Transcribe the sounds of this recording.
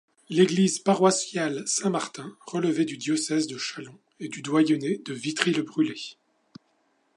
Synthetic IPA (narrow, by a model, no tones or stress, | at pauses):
leɡlizpaʁwasjalsɛ̃maʁt̪ɛ̃ʁələvɛd̪yd̪jɔsɛzd̪əʃalɔ̃ | ed̪yd̪wajɔned̪əvit̪χilbʁyle